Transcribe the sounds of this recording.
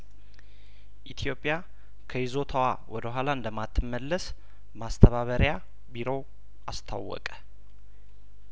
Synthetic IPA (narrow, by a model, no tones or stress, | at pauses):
ʔit̪ʰijo̞pʼːja | kʰəjizo̞t̪ʰəwawɔd̪əɦʷalaɨnd̪əmat̪ʰːɨmːəlːəs | mast̪ʰəβaβəɾja | biɾo̞ | ʔast̪ʰa̰wːɔ̰kʼə̥